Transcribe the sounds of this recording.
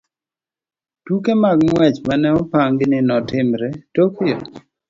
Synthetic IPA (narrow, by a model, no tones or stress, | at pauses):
tukemaɡ̚mwɛt͡ʃmanɛɔpaŋɡɪnɪnɔtɪmɾɛtokjɔ